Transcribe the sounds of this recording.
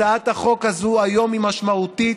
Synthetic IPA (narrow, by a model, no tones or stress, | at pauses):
aat̪haχo̞khazuajo̞mimaʃmaut̪i